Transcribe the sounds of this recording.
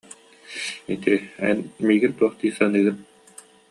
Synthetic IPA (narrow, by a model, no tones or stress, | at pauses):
it̪iɛ̰nmiːɡiɾt̪uɔχt̪iːsanɯːɡɯn